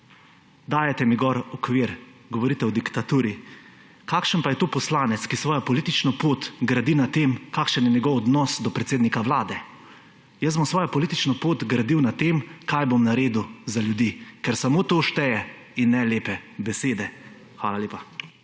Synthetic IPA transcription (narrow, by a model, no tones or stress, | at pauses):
d̪aːjɛt̪ɛmiɡɔɾɔkʋiɾɡɔʋɔɾiːt̪ɛɔd̪ikt̪at̪uːɾi | kakʃənpajɛt̪oːpɔslaːnɛt̪skisʋɔːjɔpɔlit̪it͡ʃnɔpoːt̪ɡɾad̪inat̪emkaːkʃənjɛɲɛɡɔwɔd̪nɔsd̪ɔpɾɛt̪seːd̪nikaʋlaːd̪ɛ | jɛsbɔmsʋɔːjɔpɔliːt̪it͡ʃnɔpoːt̪ɡɾad̪iwnat̪emkajbomnaɾeːd̪uzaljud̪iːkɛɾsamoːt̪oʃt̪ɛjɛ | inːɛleːpɛbɛseːd̪ɛ | xʋa̰ːlalʲeːpa